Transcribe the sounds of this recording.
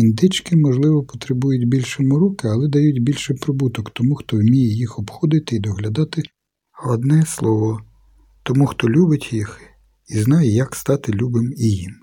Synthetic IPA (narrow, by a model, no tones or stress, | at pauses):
ind̪ɪt͡ʃkɪmɔʒlˠɪʋɔpɔ̥t̪ɾɪbujʊtʲbʲilʲʃɔmʊɾukɪɐlˠɛd̪ɐjutʲbʲilʲʃɪpɾɔbut̪ɔkt̪ɔmuxt̪ɔwmʲijɛjixɔbxɔd̪ɪt̪ɪid̪ɔɦlʲɐd̪ɑt̪ɪ | hˠɐd̪nɛslˠɔʋɔ | t̪ɔmuxt̪ɔlʲubɪtʲjix | iznɑjɛjɐkst̪ɑt̪ɪlʲubɪmijim